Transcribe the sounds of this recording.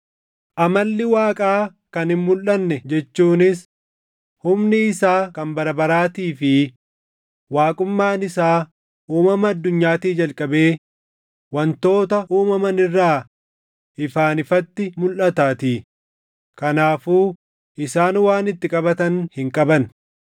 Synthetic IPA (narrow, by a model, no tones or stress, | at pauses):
ʔɐmɐlːɪwaːkʼaː | kɐnhɪmmʊlɐnːɛd͡ʒɛt͡ʃːuːnɪs | hʊmnɪːsaːkɐmbɐɾɐbɐɾaːt̪iːfɪ | waːkʼʊmːaːnɪsaː | uːmɐmɐɐd̪ːʊɲːaːt̪iːd͡ʒɐlkʼɐbe̞ː | wɐnt̪o̞ːt̪ɐʔuːmɐmɐnɪrːaː | ʔɪfaːnɪfɐt̪ːɪmʊlʔɐt̪aːt̪iː | kɐnaːfuː | ʔɪsaːnwaːnɪt̪ːɪkʼɐbɐt̪ɐnhɪŋkʼɐbɐn